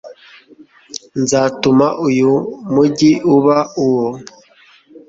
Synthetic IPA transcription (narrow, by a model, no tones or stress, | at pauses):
nzaːtumaʔujumuɟiuβauwo